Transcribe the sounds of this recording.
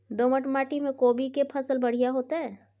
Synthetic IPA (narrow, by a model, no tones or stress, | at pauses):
d̪oːməʈmaːʈimẽkoːbikepʰɐsəlbɐɽ̤ijaɦoːt̪aɦɛː